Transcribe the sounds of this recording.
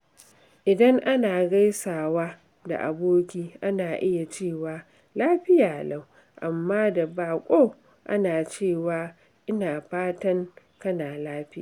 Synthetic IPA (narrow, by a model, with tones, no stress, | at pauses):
ʔɪ˨dɐ˦ŋʔa˦naː˨ɡa˦jsaː˨waː˦ | da̰˨ʔa̰˨boː˦kʲiː˦ʔa˦naː˨ʔɪ˦ja˨t͡ʃeː˦˨waː˨ | laː˦ɸɪ˦jaː˨la˦w | ʔa˨mːaː˦da˨baː˨kʷʼoː˦ | ʔa̰˦naː˨t͡ʃeː˦˨waː˦ | ʔɪ˦naː˨ɸaː˦tɐ˦ŋ | kɐ˦naː˨laː˦ɸɪ˦aː˨